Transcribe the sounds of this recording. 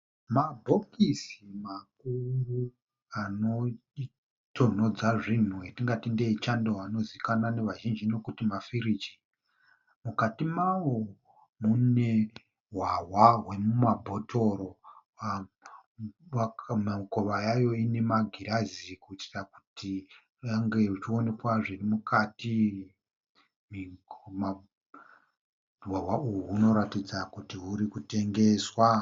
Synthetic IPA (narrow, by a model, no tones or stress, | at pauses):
mabʱo̞kisimak̚uru | anoi | tʰo̞n̤o̞d͡zaʐin̤uetiŋɡatindeit͡ʃandoano̞zikanane̞ʋaʒind͡ʒino̞kutimafiɾit͡ʃi̥ | mukatimawo | mune̞ | ɦwawaɦwe̞mumabʱo̞tʰo̞ɾo | a | mkoʋajajo̞ine̞maɡʱiɾazikuiti̥raku̥ti | aŋɡe̞ut͡ʃio̞ne̞kwaʐirimukati | mima | ɦwawaujuɦuno̞ɾatid͡zakutiɦuɾikute̞ŋɡe̞ːswa